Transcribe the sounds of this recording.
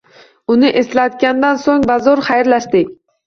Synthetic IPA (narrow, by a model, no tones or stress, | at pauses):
ʊnɪʔe̞slat̪̚ɡʲand̪ansoŋbazɒɾχajɾlaʃd̪ɪkʲ